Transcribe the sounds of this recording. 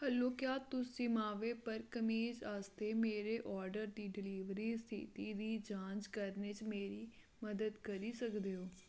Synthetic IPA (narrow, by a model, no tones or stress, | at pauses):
həlːoːkjaːt̪ʊsd͡ʒimaːʋeːpəɾkəmiːd͡ʒaːst̪eːmeːɾeːʔɔːɾɖəɾd̪iːɖɪliːʋɾiːst̪ʰḭt̪iːd̪iːd͡ʒãːt͡ʃkəɾneːt͡ʃmeːɾiː | məd̪əd̪kəɾiːsəkd̪eːoː